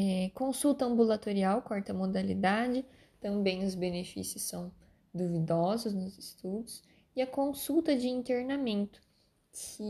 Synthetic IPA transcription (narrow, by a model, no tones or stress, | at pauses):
ɛkõsuwt̪ɐɐ̃mbulat̪oɾiawkɔɾt̪ɐmod̪alḭd̪ad͡ʒɪ | t̪ɐ̃mbẽj̃ʊzbenefḭsjʊsɐ̃w̃ | d̪uvid̪ɔzʊsnʊzɪst̪ud̪ʊs | ɪɐkõsuwt̪ɐd͡ʒɪĩnt̪eɾnamẽnt̪ʊ̥ | kʰɪ